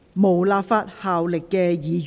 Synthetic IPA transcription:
mo˨˩wlaː˧pfaː˧t̚haː˨wlɪ˨kːɛː˧jiː˨j

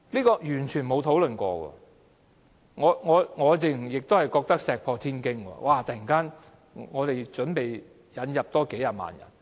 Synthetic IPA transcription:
liː˥kɔː˧jyː˨˩nt͡ʃʰyː˨˩nmo˨˧wt̪ʰo˨˥wlɵ˨nkʷɔ̰ː˧wɔ̰ː˧ | ŋɔː˨˧ŋɔː˨˧ŋɔː˨˧t͡sɪ˨ŋ˨˩jɪ˨k̚t̪o˥whjkɔː˧k̚t̪ɐ˥k̚sɛː˨k̚pʰɔː˧t̪ʰiː˥nkɪ˥ŋkɔ̰ː˧wʔaː˧˩t̪ɐ˨ji˨˩ŋkaː˥n | ŋɔː˨˧t̪e˨jt͡ʃɵ˨˥npe˨j | jɐ˨˧njɐ˨p̚t̪ɔː˥ke˨˥ja˨˩ma̰ː˨njɐ̰˨˩n

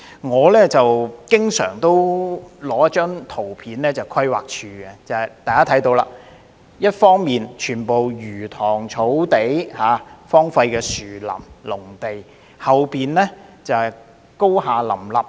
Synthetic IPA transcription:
ŋɔː˨˧lɛː˥t͡sɐ˨wkɪ˥ŋsœ̰ː˨˩ŋt̪o˥wlɔː˨˥jɐ˥t̚t͡ʃœː˥ŋt̪ʰo˨˩wpʰiː˨˥nlɛː˥t͡sɐ˨˩wkʰɐ˥jwa̰ː˨k̚t͡ʃʰyː˧kɛ˧t͡sɐ˨jt̪aː˨jkaː˥t̪ʰɐ˨˥jt̪o˧wla̰ː˧ | jɐ˥t̚fɔː˥ŋmiː˨nt͡ʃʰyː˨˩npo˨wjyː˨˩t̪ʰɔː˨˩ŋt͡ʃʰo˨˥wt̪e˨˥jhaː˨˥fɔː˥ŋfa˧jkɛː˧syː˨˩lɐ̰˨˩mlʊ˨˩ŋt̪e˨j | hɐ˨wpiː˨nlɛː˥t͡sɐ˨hj | ko˥whaː˨˧lɐ̰˨˩mlɐ˨p̚

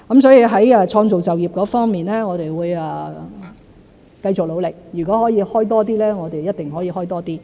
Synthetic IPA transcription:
kɐ˨˦msɔː˨˥jiː˨˧ɦɐ˨˥jɛː˧t͡ʃʰɔː˧ŋt͡so˨wt͡sɐ˨wjiː˨˩p̚kɔː˨˥fɔː˥ŋmiː˨˩nlɛː˥ŋɔː˨˧t̪ɾe˨jwuː˨˧jɛː˨˩ | kɐ˧jt͡sʊ˨k̚lo˨˧wlɪ˨k̚jyː˨˩kɔː˨˥hɔː˨˥jiː˨˧hɔː˥jt̪̬ɔː˥t̪̬iː˥lɛː˥ŋɔː˨˧t̪e˨jjɐ˥t̚t̪ɪ˨ŋɦɔː˨˥jiː˨˧ɦɔː˥jt̪ɔː˥t̪iː˥

